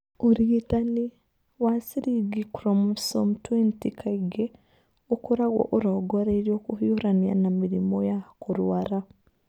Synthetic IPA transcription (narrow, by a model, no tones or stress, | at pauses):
uɾiitani | wasiɾiɡikɾɔmsɔmtwentikʰaiɡe | okuɾaɣwɔ̰ʔoɾɔɡɔɾaiɾijokuhjuɾania̰namiɾimojakuɾwaɾa